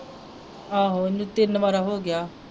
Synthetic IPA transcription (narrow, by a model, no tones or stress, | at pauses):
aːɦoːɪnːũːt̪ɪnːmaːɾaːɦoːɡɪjaː